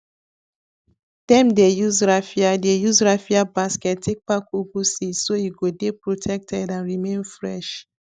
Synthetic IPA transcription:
d̥ɛ̃mdejuzɹafiadejuzɹafiabaskɛttʰːek̚pakuɡusisojuɡodepɹotʰɛk̚tʰɛdãnɹimẽnfɹɛʃ

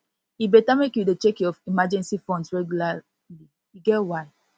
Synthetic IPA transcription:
ibetamekjudet͡ʃekiɔfimad͡ʒɛ̃nsifɔ̃ndsɹɛɡjula | li | iɡɛtwaɪ

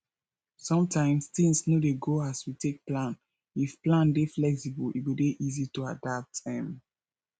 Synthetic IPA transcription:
sɔ̃mtʰãɪ̃mstĩŋsnodeɡoaswitek̚plãn | ifplãndeflɛksibəlitwideʔizituadap̚tɛ̃m

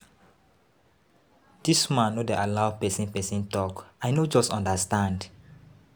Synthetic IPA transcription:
d̥ismãnːodeʔalaʊpɛsĩnpɛsĩntɔkajnod͡ʒɔstɔ̃ndəstãnd

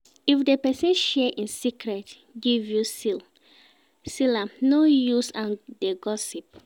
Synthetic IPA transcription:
ifdepɛsɛ̃nʃɛʔĩnsikɹɛt | ɡivjusil | silãmnojusãndeɡɔsip̚

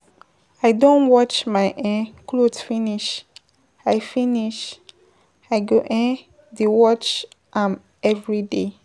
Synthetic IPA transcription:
aɪdõnwɔt͡ʃmaɪʔɛ̃kʰlodfĩniʃ | aɪfĩniʃ | aɪɡoʔɛ̃ | dewɔt͡ʃ | ʔãm | ɛvɹide

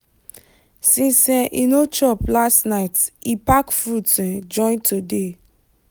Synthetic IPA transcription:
sĩsɛ̃ʔinot͡ʃɔplastnaɪtipakfutɛ̃d͡ʒɔ̃ɪ̃ntode

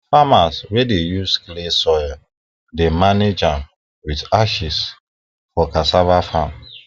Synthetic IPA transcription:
famaswedejusklesɔjl | demaned͡ʒãm | widaʃis | fɔkasavafãm

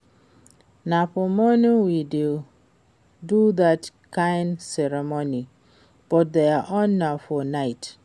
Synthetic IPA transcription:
napʊmɔniwidil | duðatkʰãɪnsɛɾɛmoni | b̥ɔt̚deaʔɔnːafɔnaɪt

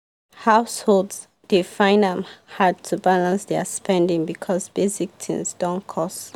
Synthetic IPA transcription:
haʊsholds | d̥ifãɪ̃nə̃mhad̚tʰubalãnsdɛspɛ̃ndĩŋbikʰɔsbezik̚tʰḭ̃nsdɔ̃nkʰɔs

